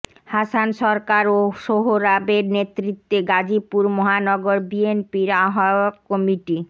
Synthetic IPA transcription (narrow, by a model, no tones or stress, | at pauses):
hasanʃɔɾkaɾoʃoɦoɾabeɾnet̪ɾit̪ːeɡad͡ʑipuɾmɔɦanɔɡoɾbienpiɾaɦakɔmiʈi